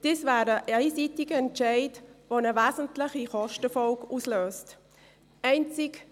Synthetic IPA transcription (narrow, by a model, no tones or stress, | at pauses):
d̥iːsvæːɾəʔɛɪsitɪɡəɛntʃɛɪdʋonəvæːzən̩tlɪχiχɔʃtəfɔlkuːsløːst | ɛɪnt͡sɪk